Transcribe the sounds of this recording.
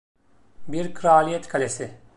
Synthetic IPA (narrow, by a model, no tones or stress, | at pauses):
biɾkʰɯɾaːlʲijɛt̪kʰalʲesɪ